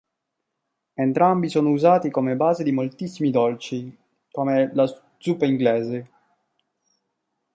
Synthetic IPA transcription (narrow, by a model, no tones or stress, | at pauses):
ent̪ɾambisɔːnouzaːt̪ikomebaːzed̪imolt̪isːimid̪ɔlt͡ʃi | komela | d̪zupːeiŋɡlɛːze